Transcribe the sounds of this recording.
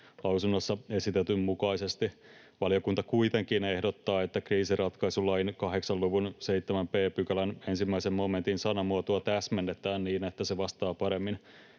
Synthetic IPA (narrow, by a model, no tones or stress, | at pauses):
lɑwsunːosːɑesit̪et̪ymmukɑisest̪i | ʋɑlijokunt̪ɑkuit̪eŋkinehdot̪ːɑːet̪ːækriːsirɑt̪kɑisulɑinkɑɦeksɑlluʋunseit̪ːemæmpeːpykælænensimːæisemmoment̪insɑnɑmuot̪uɑt̪æsmenːet̪æːnniːnet̪ːæseʋɑst̪ɑːpɑɾemːin